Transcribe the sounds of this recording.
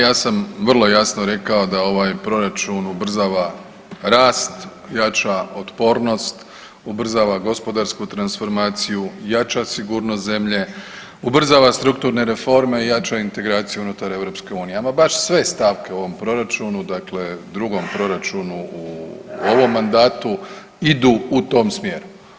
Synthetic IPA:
jaːsamʋr̩lˠo̞jasnoɾe̞kao̞d̪ao̞ʋaːjpɾo̞ɾat͡ʃunubr̩zaːʋa | ɾaːst̪ | jat͡ʃaot̪po̞ɾno̞st̪ | ubr̩zaːʋaɡo̞spo̞d̪aɾskut̪ɾansfo̞ɾmaːt̪sijujat͡ʃasiɡuːɾnost̪ze̞mʎe̞ | ubr̩zaʋast̪ɾuk̚t̪uːɾne̞ɾe̞fo̞ɾme̞ijat͡ʃaint̪e̞ɡɾaːt̪sijuunut̪aɾe̞ʋɾo̞pske̞uːnijeamabaʃsʋe̞st̪aʋke̞o̞ʋo̞mpɾo̞ɾat͡ʃunud̪akle̞d̪ɾuɡo̞mpɾo̞ɾat͡ʃunuuo̞ʋo̞mːand̪aːt̪u | id̪uːut̪o̞ːmsmje̞ɾu

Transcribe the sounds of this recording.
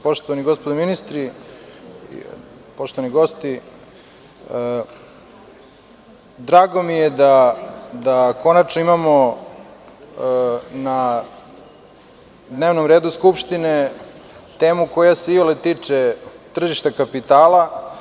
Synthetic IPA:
po̞ʃt̪oʋaniɡo̞spod̪ominist̪ɾḭ | po̞ʃt̪oʋaniɡost̪i | d̪ɾaːɡo̞mijed̪ad̪ako̞nat͡ʃnoimamo̞ | na | d̪ne̞ːʋno̞mɾeːd̪uskupʃt̪ine̞ | t̪e̞ːmuko̞jaseiolet̪iːt͡ʂet̪r̩ʒiʃt̪akapit̪aːla

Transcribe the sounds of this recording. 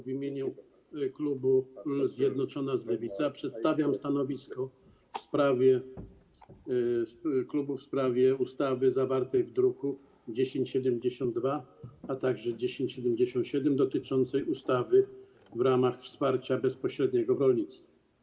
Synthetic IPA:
vʲimʲjeɲu | klubuzʲjɛd̪nɔt͡ʂɔnazlɛvʲit̪sapʂɛt̪st̪avʲjamst̪anɔvʲiskɔ | fspɾavʲjɛ | klubufspɾavʲjɛust̪avɘzavaɾt̪ɛjvd̪ɾuku | d͡ʑeɕeɲt͡ɕɕɛd̪ɛmd͡ʑeɕɔnd̪̚ːvaat̪aɡʐɛd͡ʑeɕẽɲt͡ɕɕɛd̪ɛmd͡ʑeɕɔnt̪ɕɛd̪ɛmd̪ɔt̪ɘt͡ʂɔnt̪sɛjust̪avɘ | vɾamaxfspaɾt͡ɕabɛspɔɕɾɛd̪ɲɛɡɔvɾɔlʲɲit̪st̪fa

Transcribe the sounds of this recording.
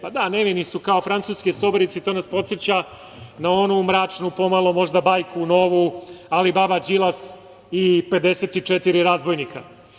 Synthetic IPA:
pad̪aneʋinisukaofɾant̪suːskesoboɾit̪sit̪oːnaspo̞t̪set͡ɕa | nao̞numɾaːt͡ʂnupo̞malˠo̞mo̞ʒd̪abajkʰuno̞ːʋualibabad͡ʑilˠas | ipe̞d̪eset̪it͡ʃet̪iɾiɾazbo̞jnikʰa

